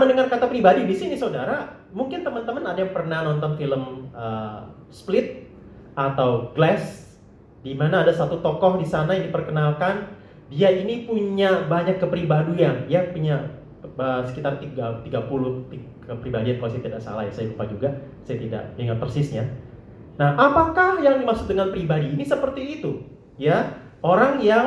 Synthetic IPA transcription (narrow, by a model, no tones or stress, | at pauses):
məndəŋarkat̪apɾibadidisinisaudaɾa | muŋkɪnt̪əmənt̪əmənadajaŋpərnahnɔnt̪ɔnfiləmə | splɪt̪̚ | ʔat̪awɡlɛs | dimanaːdasat̪ut̪ɔkɔhdisanajaŋdipərkənalkan | diainipuɲabaɲakːəpɾibadujaŋjapuɲa | əsə̥kit̪art̪iɡat̪iɡapulʊht̪i | kəpɾibadijankalasajat̪idaʔsa̰lahjasajaɡupad͡ʒuɡa | sajat̪ida̰ʔbiŋat̪̚pərsɪsɲa | nahʔapakahjaŋdimaksʊ̥k̚dəŋanpɾibadiːnisəpərt̪iːt̪u | ja | ʔoɾaŋja